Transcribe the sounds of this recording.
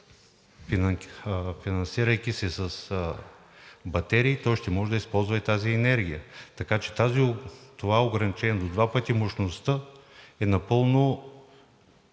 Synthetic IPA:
fin | finɐnsiɾɐjkisɛsɐs | bɐt̪ɛɾiːt̪ɔjʃt̪ɛmɔʒɛd̪əispɔlˠzvɐt̪aziɛnɛɾɡ̟ijə̰t̪ɐkat͡ʃɛ̥t̪aziot̪ovaoɡɾɐnit͡ʃɛnɛd̪od̪vapət̪imoʃnost̪əɛnɐpɤlˠno

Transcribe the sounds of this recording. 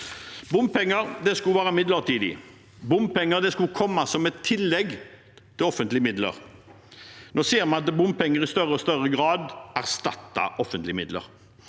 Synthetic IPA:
bʊmpɛŋːəɾd̪ɛskʉlʋæːɾəmɪd̪ləʁt̪ʰiːd̪ɪ̰ | bʊmpɛŋːəʁd̪ɛskʉkʰɔmːɑsɔmɛt̪ʰːɪlːɛɡ | t̪ʰɪlɔfənt̪lɪəmɪd̪lə̰ʁ | noːseːɾmɑnɑt̪bʊmpʰɛŋːəʁɪst̪œʁəɔst̪œʁəɡʁɑːd̪ʔæʁst̪ɑ̰t̪ːɑ̰ʔɔfənt̪lɪəmɪd̪lə̰ʁ

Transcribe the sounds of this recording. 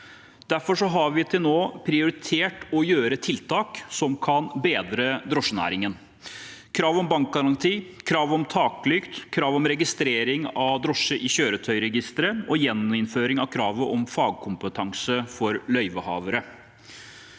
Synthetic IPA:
d̪̥æɾfɔʂɔɦɑɾʋɪt̪ʰɪlnoːpʰɾɪʊɾɪt̪ʰeːʈɔjøːɾət̪ʰɪlt̪ʰɑːksɔmkʰɑnbeːd̪ɾəd̪ɾɔʂənæ̰ːɾɪŋən | kʰɾɑːʋɔmbɑŋk̚ɡɑɾɑŋt̪ʰiːkʰɾɑːʋɔmt̪ʰɑːklʏkt̪kʰɾɑːʋɔmɾɛɡɪst̪ɾeːɾɪŋɑʋd̪ɾɔʂəʔɪɕøːɾət̪ʰœʏɾɛɡɪst̪əɾəʔɔjɛnːmɪnføːɾɪŋɑʋkʰɾɑːʋəʔɔmfɑːɡ̚kʰʊmpət̪ʰɑŋsəfɔɾlœʏʋəhɑ̰ːʋəɾə

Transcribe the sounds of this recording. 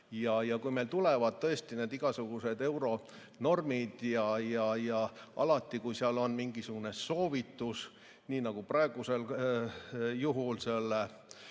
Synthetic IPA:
jɑjɑkujme̞lt̪ulevɑd̪̥̚t̪ɤ̞est̪ineːd̪iɡ̥ɑsuɡ̥used̪e̞wɾo̞ | no̞rmid̪̥jɑjɑjɑʔɑ̰lɑt̪ːˑikujsiɑlo̞nmiŋɡ̥isuɡ̥une̞so̞ːvit̪ːˑus | niːnɑɡ̥uprɑeɡ̥use̞l | juɦulselːe

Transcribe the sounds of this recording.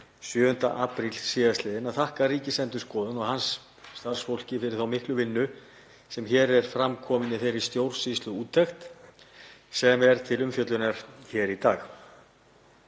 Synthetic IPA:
sjœːðʏn̥t̪a̰ʔaːpɾilsiːðast̪lɛðɪnaðθahkaɾiːcɪsɛnt̪ʏskɔːðʏnɔɣhansː | t̪aɾr̥sfowl̥cɪfɪɾɪɾθawmɪhklʏvɪnːʏ | sɛmçɛːɾɛɾ̥fɾamkʰɔːmɪnɪθejɾist̪jowr̥sist̪lʏuːt̪ːɛxt̪ | sɛmɛɾ̥t̪ʰɪlʏmfjœt̪lʏnaɾ̥çɛːɾit̪aːx

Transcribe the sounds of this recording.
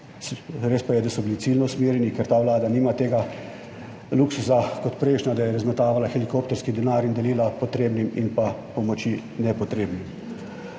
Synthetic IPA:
sɾeːspajɛd̪asɔbilitsilnɔusmeːɾjɛnikɛɾt̪aːʋlaːd̪aniːmat̪eːɡa | luksusakɔt̪pɾɛjʃnad̪ajɛɾazmɛt̪aːʋalaxɛlikoːp̚t̪ɛɾskid̪ɛnaːɾind̪ɛliːlapɔt̪ɾeːbnimḭnpapɔmɔt͡ʃi | nɛpɔt̪ɾeːbnim

